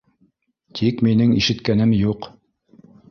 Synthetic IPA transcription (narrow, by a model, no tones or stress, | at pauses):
t̪ʰikminɘŋḭʃɘ̆t̪kænɘmjuq